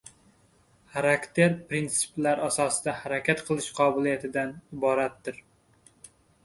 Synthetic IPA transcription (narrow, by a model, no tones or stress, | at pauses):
χaɾakʲt̪ʰe̞ɾpɾint̪sɪ̥plaɾasɒsɪd̪ahaɾakʲat̪qʰɨlˠɪʃqʰɒbɪlˠijat̪ʰɪd̪anɪbɒɾat̪d̪ɪɾ